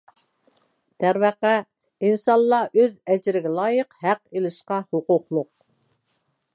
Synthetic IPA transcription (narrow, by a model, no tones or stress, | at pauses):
t̪ʰæɾvæqæ | insɑnˠlˠːɑʔøzɛd͡ʒɪɾɪɡʲɛlˠɑːjəqhæqelˠɪʃqɑhoqʊqlˠʊq̚